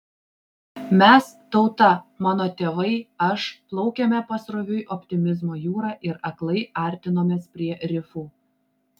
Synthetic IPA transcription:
mʲɛs | t̪ɒʊt̪ɐmɑːnoːt̪ʲeːʋɐɪɐʃplˠɒʊkʲɛmʲɛpɐsɾɔʋʲʊjʔɔpʲt̪ʲɪmʲɪzmoːjuːɾɑːʔɪɾɐklˠɐɪɐˑɾʲt̪ʲɪnoːmʲeːspʲɾʲiɛɾʲɪfuː

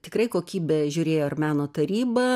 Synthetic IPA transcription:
t̪ʲɪkɾɐɪkoːkʲiːbʲɛʒʲʊːɾʲeːjoːɐrmʲæːnoːt̪ɐɾʲiːbɐ

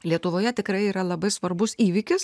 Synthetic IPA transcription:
lʲiɛt̪ʊʋoːjɛt̪ʲɪkɾɐɪiːɾɐlˠɐbɐɪsʋɐɾbʊsiːʋʲɪkʲɪs

